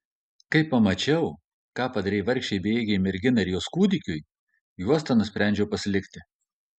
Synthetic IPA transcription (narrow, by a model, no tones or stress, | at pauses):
kɐɪpːɐmɐt͡ʃʲɛʊ | kɑːpɐd̪ɐɾʲɛɪʋɐɾʲkʲʃʲt͡ʃʲɛɪbʲeːɡʲɛɪmʲɛɾʲɡʲɪnɐɪɾʲjuɔskuːd̪ʲɪkʲʊj | juɔst̪ɑnʊsʲpʲɾʲæˑnʲd͡ʒʲɛʊpɐsʲlʲɪkʲt̪ʲɪ